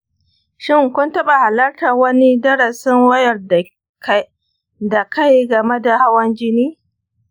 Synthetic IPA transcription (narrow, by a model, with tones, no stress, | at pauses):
ʃɪ˦˨ŋkʷʊ˦ntɐ˦ɓa˨ha˨lɐ˦rtaː˨wɐ˦ni˦dɐ˦ɾa˨sɪ˦ŋwɐ˦jɐ˨r | k | da˨ka˦jɡɐ˨me˦da˨ha˦wɐ˦nd͡ʒɪ˦niː˦